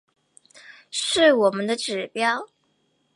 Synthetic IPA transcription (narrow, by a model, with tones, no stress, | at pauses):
ʂɻ̩˥˩wɔ˨˩mə˦nd̪ə˧ʈ͡ʂɻ̩˨˩pjɑ˥˩ʊ